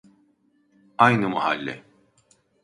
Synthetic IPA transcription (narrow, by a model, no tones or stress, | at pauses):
ajnɯmaha̰lʲːɛ̰